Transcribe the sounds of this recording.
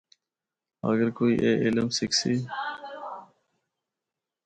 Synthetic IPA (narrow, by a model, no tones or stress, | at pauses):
ə̰ɡəɾkoːḭːʔeːʔɪləmsɪksiː